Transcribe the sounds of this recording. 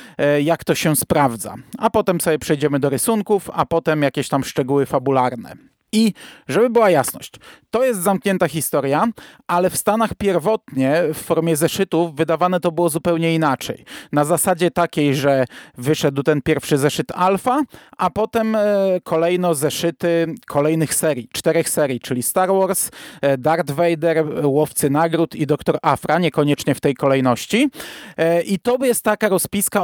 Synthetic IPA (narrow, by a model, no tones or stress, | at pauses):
jakt̪ɔɕɛspɾavd̪za̰apɔt̪ɛmpsɔbʲjɛpʂɛjd͡ʑɛmɘd̪ɔɾɘsuŋkufa̰pɔt̪ɛmjakʲɛɕt̪amʂt͡ʂɛɡuwɘfabulaɾnɛ̰ | iʐɛbɘbɘwajasnɔ̰ɕt͡ɕt̪ɔjɛst̪zamkɲɛnt̪axʲist̪ɔɾjaʔalɛfst̪anaxpʲjɛɾvɔt̪ɲɛfːɔɾmʲjɛzɛʂɘt̪ufːɘd̪avanɛt̪ɔbɘwɔzupɛwɲɛinat͡ʂɛ̰jnazasad͡ʑɛt̪akʲejʐɛvɘʂɛd̪wt̪ɛnpʲjɛɾfʂɘzɛʂɘt̪alfaʔapɔt̪ɛmkʰɔlɛjnɔzɛʂɘt̪ɘkʰɔlɛjnɘxsɛɾʲjit͡ʂt̪ɛɾɛxsɛɾʲjit͡ʂɘlʲist̪aɾwɔɾsd̪aɾd̪vɛjd̪ɛɾwɔft̪sɘnaɡɾut̪id̪ɔkt̪ɔɾafɾaɲɛkɔɲɛt͡ʂɲɛft̪ɛjkɔlɛjnɔɕt͡ɕi | ʔit̪ɔjɛst̪ːakaɾɔspʲiska